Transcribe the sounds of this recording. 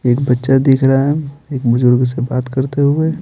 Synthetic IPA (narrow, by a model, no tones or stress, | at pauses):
eːkbɐtːʃad̪iːkʰɾɐɦaɦɛeːkbʊzʊɾɡs̬ebaːt̪kɐɾt̪eɦʊe